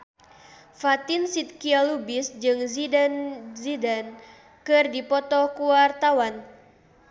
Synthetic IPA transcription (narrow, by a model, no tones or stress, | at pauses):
fat̪ɪnsit̪̚kialubɪsd͡ʒɨŋzidanzidan | kɨrdipɔt̪ɔkuwart̪awan